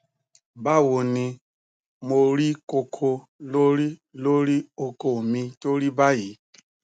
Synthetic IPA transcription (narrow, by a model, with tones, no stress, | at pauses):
ba˦˨wo˨ni˧ | mo˨ɾi˦ko˧kʰo˧ | lo˦ɾi˦lo˦ɾi˦o˧ko˨mĩ˧to˦ɾi˦ba˦ji˨˦